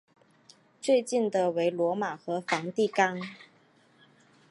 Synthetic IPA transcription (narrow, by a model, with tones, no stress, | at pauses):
t͡swe˥˧ɪt͡ɕi˥˩nd̪ə˨we˧˥ɪlwɔ˧˥ma˨˩xɤ˧˥fɑ˧˥ŋt̪i˥˩kɑ˥ŋ